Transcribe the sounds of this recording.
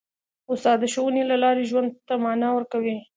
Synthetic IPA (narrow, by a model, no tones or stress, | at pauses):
ʊst̪ɑd̪aʃawənilalɑɾeʒwand̪̚t̪amɑnɑwəɾkawi